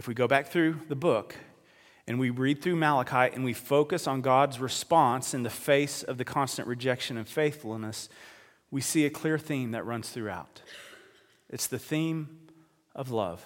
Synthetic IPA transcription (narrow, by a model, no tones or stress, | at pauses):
ɨfwiɡoʊbæk̚θɹʉðəbʊk | ɨ̃nwiɹid̪̚θɹʉmælˠəkʰaɪʔɨ̰̃nwifoʊkɨsn̩ɡɑdzɹɨspɑ̃nsɨ̃nðɨfeɪsʌvðɨkʰɑ̃nstɨ̰̃nʔɹʔɨd͡ʒɛkʃɨ̃nʌv̥feɪθfl̩ˠnəs | wisiɨkʰl̥ɪɹθĩmðɨ̰ʔ̚ɹʌ̃nz̥θɹʉa̰ʊɾ | ʔɨtsðɨθĩm | ʌvlʌ̰v̥